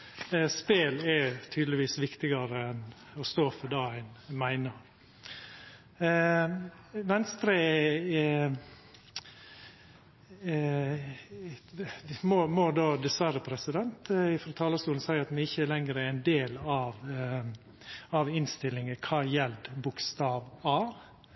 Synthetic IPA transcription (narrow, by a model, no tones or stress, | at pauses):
speːlɛɾt̪ʰyːd̪lɪʋiːsʋɪkt̪ɪɡɑɾəɛnɔst̪oːfɔɖ̪ɑːæɪnmæɪnəɾ | ʋɛnst̪ɾə | mɔmɔd̪oːd̪ɛsʋæɾəpʰɾɛsɪd̪ɛnt̪ɪfɾɑt̪ʰɑːləst̪uːln̩sæɪɾɑt̪mɛɪçːəlɛŋɾəɛæɪnd̪eːlɑʋ | ɑʋɪnst̪ɪlɪŋəkʰɑːjɛld̪bʊkst̪ɑːʋɑːʋ